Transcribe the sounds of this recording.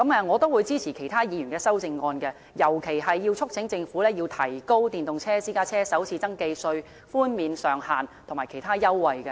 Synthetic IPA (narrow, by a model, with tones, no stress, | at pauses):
kɐ˨˥mɛː˧ŋɔː˨˧t̪o˥wːuː˨˧jt͡siː˥t͡sʰiː˨˩kʰe˨˩jt̪ʰaː˥jiː˨˧jyː˨˩nkɛː˧sɐ˥wt͡sɪ˧ŋːɔː˧nkɛ˧ | jɐ˨˩wkʰe˨˩jɦɐ˨jːi˧wt͡sʰʊ˥k̚t͡sʰɪ˨˥ŋt͡sɪ˧ŋfu˨˥lɛː˥jiː˧wt̪ʰɐ˨˩jko˥wt̪iː˨nt̪ʊ˨ŋt͡sʰɛː˥t͡siː˥kaː˥t͡sʰɛː˥sɐ˨˥wt͡sʰiː˧t͡sɐ˥ŋke˧jsɵ˧ɥ | fuː˥nmiː˨˧nsœː˨ŋhaː˨nt̪ʰʊ˨˩ŋmaː˨˩jkʰe˨˩jt̪ʰaː˥jɐ˥wːɐ˨jkɛ˧